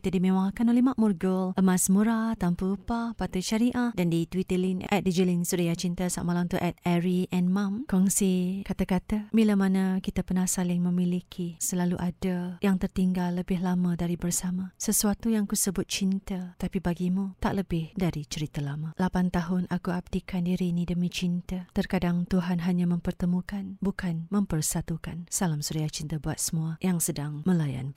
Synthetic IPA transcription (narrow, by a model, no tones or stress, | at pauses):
kit̪adimẽwaŋkanolɛhmaʔmurɡələmasmuɾat̪ampəəpapat̪ut͡ʃaɾiʔahdandit̪wit̪əlinʔɛ̰t̪̚dəd͡ʒəlɪnsuɾijat͡ʃint̪əsa̰ʔmalaŋt̪uʔɛt̪̚ɛɾiʔɛ̃nmãmkɔŋsikat̪akat̪amilamanakit̪apənahsalɪŋmə̃milikʰisəlaluʔadajaŋt̪ərt̪iŋɡalːəbɪɦlamadaɾibərsamasəsuat̪ujaŋakusəbʊt̪̚t͡ʃint̪at̪apibaɡimut̪a̰ʔləbɪhdaɾit͡ʃəɾit̪alamalapant̪aɦʊnʔakuab̚dikandiɾinidəmit͡ʃint̪at̪ərkadaŋt̪uɦanɦaɲamə̃mpərt̪əmukanbukanməmpərsat̪ukansalamsuɾiat͡ʃint̪abuat̪̚səmuajaŋsədaŋməlaja̰n